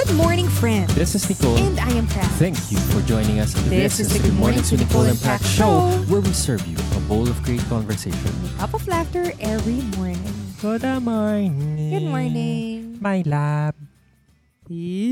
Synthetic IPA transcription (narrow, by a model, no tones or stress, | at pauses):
ɡ̥ʊd̚mɔɹnɪ̃ŋfɹɛ̃nd̪ðɪsɪsnikoɛ̃nd̪ajɛ̃mpʰɹæθæ̃ŋkʰjufɔɹd͡ʒɔ̃jnɪ̃ŋɐst̪̚ðɪssmɔɹnɪ̃ŋt̪ɨnɪkolɛ̃mpʰɹækʃoʊwɛɹwisɜɹvjṵəboʊlɔvɡɹeɪt̪̚kɔ̃nvə˞seɪʃɔ̰̃nt̪ɔpɔvlæft̪əɹʔɛvɹimɔɹnɪ̃ŋɡ̥od̪amajnɡʊdmɔɹnɪ̃ŋmajlab̚ | i